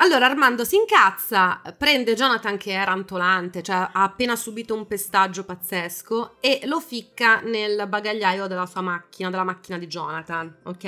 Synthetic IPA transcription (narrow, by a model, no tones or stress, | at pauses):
alːoːɾaːrmand̪osiŋkat̪sːapɾɛnd̪ed͡ʒɔːnat̪ank̟eɛɾant̪olant̪et͡ʃoɛaːpːeːnasubiːt̪oumpest̪ad͡ʒːopat̪sːeskoelofikːanelbaɡaʎːaːjod̪elːasuːamak̟ːinad̪elːamak̟ːinad̪id͡ʒɔ̰ːnat̪anokːɛ